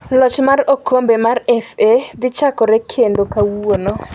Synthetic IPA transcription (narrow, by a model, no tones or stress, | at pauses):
lɔt͡ʃmarokʰombemarɛfed̪ɪt͡ʃakɔɾɛkʰendokawuono